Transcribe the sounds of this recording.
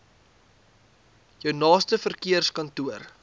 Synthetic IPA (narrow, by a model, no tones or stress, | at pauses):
jœwnɑːstəfərkiərskɐntuər